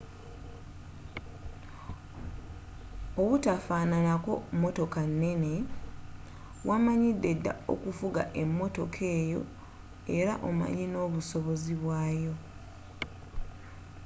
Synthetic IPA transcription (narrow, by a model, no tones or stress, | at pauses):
oβutafaːnanako̞̰mːo̞to̞kanːe̞ne̞ | wʔamaɲidːe̞dːa̰o̞̰kufuɡa̰ʔe̞mːo̞to̞kʰe̞ːjo̞̰ | e̞ɾaʔo̞̰ma̰ɲino̞ːβuso̞βo̞ziβwaːjo̞